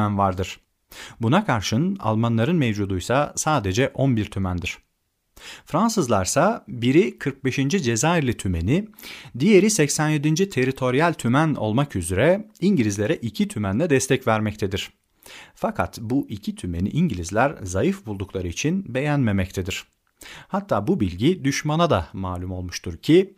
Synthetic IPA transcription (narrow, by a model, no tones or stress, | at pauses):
ænvaɾd̪ɯɾ̥ | bunakʰaɾʃɯna̰lˠmanlˠaɾɯnmevd͡ʒud̪ujsasaːd̪e̞d͡ʒɛʔonbiɾt̪ʰymænd̪iɾ̥ | fɾansɯzlˠaɾsabiɾikʰɯɾk̚be̞ʃind͡ʒid͡ʒe̞zaiɾlʲit̪ʰyme̞nid̪ije̞ɾisɛcsænje̞d̪ind͡ʒit̪ʰe̞ɾit̪ʰo̞ɾijalʲt̪ʰymæno̞̰lˠmakyzyɾɛiɲɟilʲizlʲe̞ɾɛʔicʰit̪ʰymænlʲɛd̪ɛst̪ʰɛcvæɾmɛc̚t̪ʰed̪iɾ̥ | fakʰa̰t̪buʔicʰit̪ʰyme̞nḭʔiɲɟilʲizlʲæɾzajɯfbulˠd̪uklˠaɾɯit͡ʃʰinbe̞jænme̞mɛc̚t̪ʰed̪iɾ̥ | hat̪ʰːaːbubilʲɟid̪yʃmanad̪amaːlʲumo̞lˠmuʃt̪ʰuɾcʰi